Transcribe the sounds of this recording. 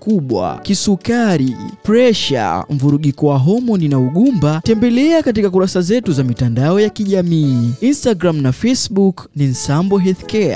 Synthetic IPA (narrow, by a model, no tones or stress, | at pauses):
kuɓwa̰kisukaɾipɾɛʃa̰ɱvuɾuɠikɔwaɦɔmɔninauɠumbatɛmbɛlɛakat̬ikak̬uɾasazɛtuzamitandaɔjakiʄamiːinstaɡɾamnafɛsɓuknin̩sambɔɦɛθkɛa̰